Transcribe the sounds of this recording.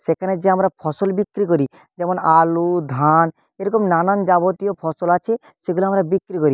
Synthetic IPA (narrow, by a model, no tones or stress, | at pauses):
ʃekʰaned͡ʑeamɾapʰɔsolbikːɾik̬oɾi | d͡ʑɛmonalud̪ʱan | eɾɔkomnanand͡ʒabot̪ijopʰɔsolat͡ɕʰe | ʃeɡuloamɾabikːɾikoɾi